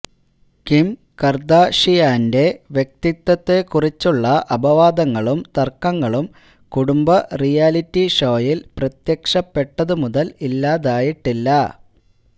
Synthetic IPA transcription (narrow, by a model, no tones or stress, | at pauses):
kim | kɐrd̪aːʂijaːnde̞ʋjek̚t̪it̪ːɐt̪ːe̞kurit͡ɕːuɭːɐʔɐbɐʋaːd̪ɐŋːɐɭumt̪ɐrkɐŋːɐɭum | kuɽumbɐrijaːlitːiʂoːjilprɐt̪jɐkʂɐpːeʈːɐðɨmuðɐlilːaːðaːjiʈːilːɐ